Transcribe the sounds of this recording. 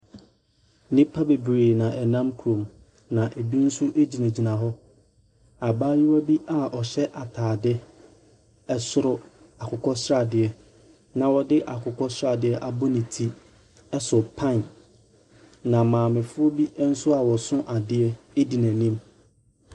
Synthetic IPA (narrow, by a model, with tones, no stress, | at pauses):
nɪ̃˦pʰa˦be˨bɾeː˨nã˨ʔɛ˨nã˦mkʰu˨ɾõ˨m | nã˨ʔe˨bi˦n̩˦sʊ˦ʔe˦d͡ʑi˨næ̃˨d͡ʑi˨nã˨ɦɔ˦ | a˨baː˦ji˦wa˦bi˦ʔa˨ɔ˨ɕɛ˦ʔa˨tʰaː˨dɪ˦ | ɛ˦sʊ˦ɾʊ˦ | a˨kʰʊ˨kʰɔ˦sʊ˦ɾa˨dɪ˨ɛ˦ | nã˨wɔ˨dɪ˦ʔa˨kʰʊ˨kʰɔ˦sʊ˦ɾa˨dɪ˨˦ɛ˦ʔa˦˨bɔ˦nɪ̃˨tʰi˦ | ɛ˦sʊ˨pʰã˦˨n | nã˨mãː˨mɪ̃˨fʊ˦ɔ˦bi˦n̩˦sʊ˦a˨wɔ˨sʊ̃˦ʔa˨dɪ˦ɛ˦ | e˦di˨næ̃˨nĩ˦m